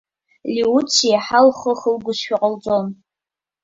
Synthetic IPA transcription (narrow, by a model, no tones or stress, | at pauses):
liut͡ʃʰijħalχəχəlɡʷʊʃʃᶣaqʼəld͡zʼon